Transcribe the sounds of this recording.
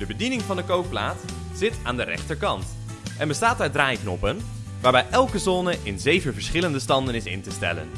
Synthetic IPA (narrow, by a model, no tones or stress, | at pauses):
dəbədinɪŋvɑndəkowk̚pla̰ːt | z̥ɪta̰ːndərɛ̰χtəɹkɑnt | ʔɛnbəstaːt̚daːɹdraːjknɔpən | ʋaːɹbɛjʔɛlˠkəzɔnəʔɪnzejvənvəɹsχɪləndəstɑndənɪsɪ̰ntəstɛ̰lə̰n